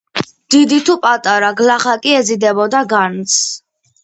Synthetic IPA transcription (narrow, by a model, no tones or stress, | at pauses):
d̪̥id̪it̪ʰupʼat̪ʼaɾaɡlaχakʼiɛzid̪ɛbɔd̪aɡant̪s